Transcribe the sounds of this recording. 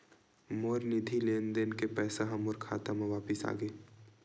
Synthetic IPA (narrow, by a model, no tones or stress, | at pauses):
moːɾnɪd̪ʱileːnd̪enkepɛːsaɦɐmʊɾkʰa̰ːt̪amaʋaːpɪsa̰ːɡə